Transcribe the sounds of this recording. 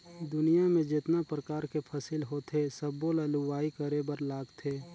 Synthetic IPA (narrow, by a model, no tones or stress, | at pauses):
d̪ʊnijamẽd͡ʒɪt̪napɾəkaːɾkepʰɐsilɦoːt̪ʰesəbːolaluʋaːikəɾebəɾlaːɡt̪ʰeː